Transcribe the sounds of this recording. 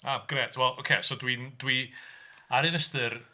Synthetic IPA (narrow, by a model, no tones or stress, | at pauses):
aɡ̥reːtʰwɛlˠʔokʰeːsodwindwi | aɾɨnəstɨr